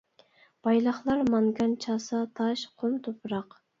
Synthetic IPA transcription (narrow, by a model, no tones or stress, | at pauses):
b̥ɑjlˠɑχlˠɑɾmɑŋɡɑnt͡ʃʰɑːsɑt̪ʰɑʃqʰomt̪ʰopʰɾɑq